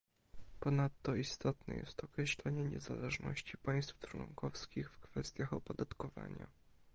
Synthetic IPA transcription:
pɔnat̪ːɔist̪ɔt̪nɛ̰jɛ̰st̪ɔkɾɛɕlɛɲɛɲɛzalɛʐnɔ̰ɕt͡ɕipaj̃st̪ftwɔŋkɔfskʲixfkfɛst̪ʲjaxɔpɔd̪at̪kɔva̰ɲa̰

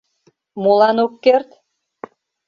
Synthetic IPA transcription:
molɑnokːert̪

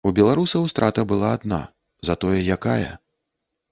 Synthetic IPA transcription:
ubʲɛlˠaɾusɐwst̪ɾʔat̪ɐbɨlˠaːd̪na̰ | zɐt̪ɔjɛjakajɐ̰

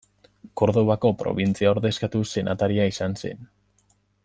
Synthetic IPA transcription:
ko̞ɾðo̞βako̞pɾo̞̰βint͡siaoɾðe̞skat̪use̞nʔat̪aɾiaisanse̞̰n

